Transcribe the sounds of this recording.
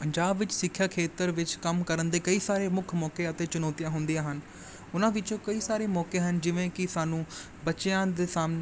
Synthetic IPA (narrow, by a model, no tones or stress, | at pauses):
pəɲd͡ʒaːbʋɪt͡ʃsɪkʰːjaːkʰeːt̪əɾʋɪt͡ʃkəmkəɾənd̪eːkəiːsaːɾeːmʊkʰmɔːkeːət̪eːt͡ʃʊnɔːt̪ijãːɦʊnd̪ijãːɦən | ʊnãːʋɪt͡ʃõːkəiːsaːɾeːmɔːkeːɦənd͡ʒɪʋẽːkɪsaːnũː | bət͡ʃãːd̪eːsaːmne